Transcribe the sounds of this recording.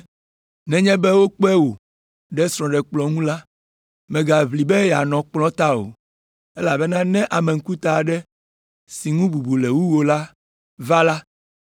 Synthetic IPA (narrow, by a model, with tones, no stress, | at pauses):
nɛ̃˦ɲɛ̃˦bɛ˦wo˦k͡pɛ˦wo˨ | ɖɛ˦sɾ̃ɔ̃˨ɖɛ˨k͡plɔ˨ŋũ˦la˦ | mɛ̃˨ɡa˨vli˨bɛ˦ja˨nɔ̃˨k͡plɔ̃˦t̪a˦o̰˨ | e˦la˨bɛ˦nã˦nɛ̃˦ʔa˨mɛ˨ŋ̩˦ku˦t̪a˨ɖɛ˦ | si˨ŋũ˦bu˨bu˨lɛ˨wu˦wo˨la˦ | va˦la˦